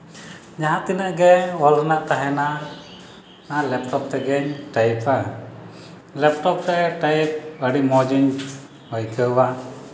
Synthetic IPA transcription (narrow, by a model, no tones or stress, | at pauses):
d͡ʒaɦãt̪inəʔɡɛwɔlnak̚t̪aɦɛna | nalɛp̚ʈɔp̚t̪ɛɡɛɲʈajpa | lɛp̚ʈɔpɾɛʈajp̚əɽimɔd͡ʒiɲ | hɔjkəwa